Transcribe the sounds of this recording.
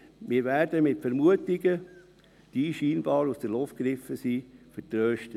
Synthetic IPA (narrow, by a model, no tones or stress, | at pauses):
mɪːɾʋæːɾdəmɪtfɛɾmuətɪɡə | d̥iːʃiːnb̥ɑːɾusd̥əlɔft̚ɡɾɪfəsiːfətɾøːʃtət